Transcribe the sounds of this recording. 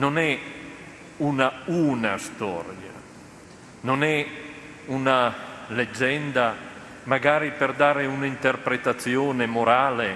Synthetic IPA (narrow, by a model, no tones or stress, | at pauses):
nonɛ | unaunast̪ɔ̰ɾja̰ | nonɛ | unaled͡ʒːɛnd̪a | maɡaːɾiperd̪aːɾeunaint̪erpɾet̪at̪sjoːnemoɾaːle